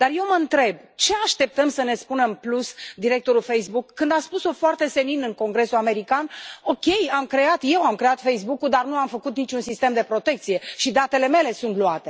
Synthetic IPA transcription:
d̪̥arje̞wməɨnt̪ɾe̞b̚t͡ʃe̞aʃt̪e̞p̚t̪əmsəne̞spunəɨnplusd̪iɾe̞k̚t̪o̞ɾulfejsbukːɨnd̪aspuso̞foart̪e̞se̞ninɨŋko̞ŋɡɾe̞suame̞ɾikano̞kʲe̞jamkɾe̞at̪je̞wamkɾe̞at̪fe̞jsbukuld̪arnuamfəkut̪nit͡ʃʲunsist̪e̞md̪e̞pɾo̞t̪e̞kt̪sije̞ʃid̪at̪e̞le̞me̞le̞sunt̪luat̪e̞

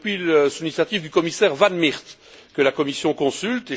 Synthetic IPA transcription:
pɥiləsulinisjat̪ivd̪ykɔmisɛʁvanmiʁt̪ | kəlakɔmisjɔ̃kɔ̃sylt̪e

